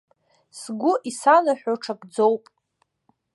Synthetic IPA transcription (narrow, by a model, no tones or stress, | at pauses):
sɡʷʊʔisanaħʷᶣaʈ͡ʂʰaɡd͡zowpʼ